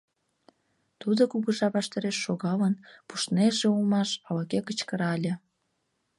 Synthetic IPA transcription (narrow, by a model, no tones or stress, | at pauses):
t̪ud̪okuɣəʒɑβɑʃt̪əɾeʃːoɣɑlənpuʃneʒeulmɑʃɑlɑkekət͡ɕkəɾɑlʲe